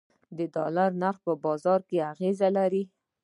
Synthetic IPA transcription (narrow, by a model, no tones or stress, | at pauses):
d̪əd̪ɑlaɾnaɾxpəbɑzɑɾkeaɣezalaɾi